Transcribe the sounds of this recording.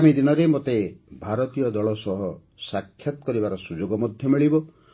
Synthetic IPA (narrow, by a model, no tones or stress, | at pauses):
amid̪inɔɾemot̪ebʱaɾɔt̪ijɔd̪ɔɭɔsɔɦɔ | sakʰːjɔt̪ɔ̥kɔɾibaɾɔsud͡ʒoɡɔmɔd̪ʱjɔmiɭibɔ